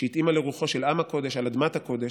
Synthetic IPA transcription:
eit̪imaleʁuχo̞ʃelamako̞d̪e̞ʃalad̪mat̪ako̞d̪e

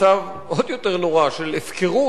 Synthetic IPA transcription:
av | o̞d̪jot̪eʁnoʁaʃelefkeʁu

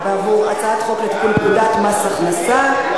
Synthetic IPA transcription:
veɦuasaat̪χoklet̪kulpud̪at̪masaχnasa

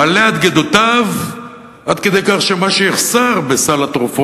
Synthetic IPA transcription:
aleat̪ɡed̪ot̪av | ʔad̪ked̪e̞jkaχʃemaʃejeχsaʁbesalat̪ʁufo

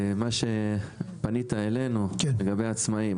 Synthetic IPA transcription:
maʃe̞panit̪ae̞le̞nukleɡabejaːt͡smaim

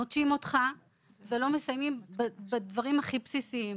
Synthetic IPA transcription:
otʃimo̞t̪χa | velo̞mesajmimbbadvaʁimhaχipsisiim

